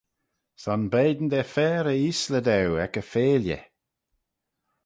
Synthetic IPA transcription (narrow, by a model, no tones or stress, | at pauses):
sanbeːd̪n̩d̪ɛfɛːɾəisləd̪ɛwɛkəfeːljə̰